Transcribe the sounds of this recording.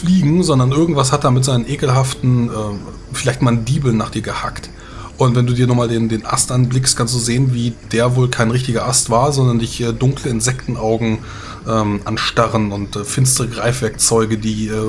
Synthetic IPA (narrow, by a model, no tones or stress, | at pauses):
fliːɡŋ̩zɔndɐnʔɪɐɡŋ̩tv̥ashat̚d̥aːmɪtz̥aɪnənʔeːkl̩ɦaftn̩ʔɛː | fɪlaɪçtmandiːbl̩nːaːχd̥iːɐɡəha̰kt | ʔʊntvɛnduːdiːɐnɔχmaːldeːndeːnʔa̰stʔanblɪkstkʰans̬td̥uːzeːənviːd̥eːɐvoːlkʰaɪnʁɪçtɪɡɐʔastv̥aːɐzɔndɐndɪçʔɛːdʊŋkləɪnzɛktn̩ʔaʊɡŋ̩ | ʔɛːmʔanʃtaʁənʊntɛfɪnstəʁəɡʁaɪfv̥ɛɐk̚t͡sɔʏɡədiːʔɛː